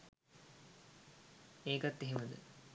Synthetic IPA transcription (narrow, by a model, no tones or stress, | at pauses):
eːɡat̪ːeɦeməd̪ə̰